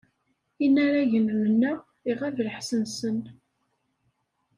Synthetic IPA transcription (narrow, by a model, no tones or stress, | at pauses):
inːaɾaʝənmənːæ | iʁævləħsənsən